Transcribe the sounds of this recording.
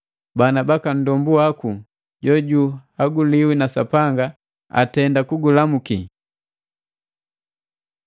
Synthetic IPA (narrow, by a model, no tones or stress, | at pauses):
banabakan̩dɔmbuaku | ɟɔɟuhaɡuliwinasapaŋɡa | a̰tɛndakuɡulamuki